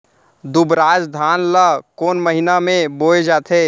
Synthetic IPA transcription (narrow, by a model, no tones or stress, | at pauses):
d̪ʊbɾaːd͡ʒd̪ʱaːnlakoːnməɦɪnamẽboːed͡ʒaːt̪ʰeː